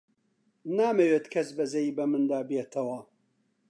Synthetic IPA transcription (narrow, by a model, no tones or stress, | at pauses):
naːmeweːt̪kʰɐsbɐzɐjiːbɐmɨnd̪aːbet̪ʰɐwɐ